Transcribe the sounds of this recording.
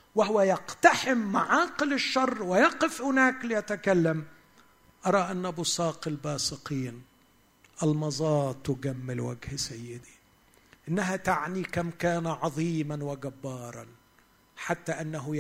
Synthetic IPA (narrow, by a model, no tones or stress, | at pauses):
wɪɦʊwajɑqt̪aħɪmːaʕɑːqɪlɪʃːɑrˤːwɪjɑqɪfhɪnaːklɪjat̪akalːam | ʔɑɾˤɑʔanːabʊsɑːqɪlbɑːsɨqiːn | ʔalmɑzˤɑːt̪ˤːʊɡamːɪlwaɡhsajːɪd̪i̥ | ʔɪnːaɦat̪aʕnikamkaːnaʕɑðˤiːmanwɪɡabːɑːɾˤɑn | ħat̪ːaʔɪnːaɦʊ